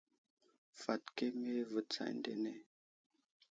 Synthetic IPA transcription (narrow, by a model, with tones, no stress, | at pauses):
fa˨tke˦me˦və˨t͡sa̰˨jn˦dḛ˨nɛ˦˨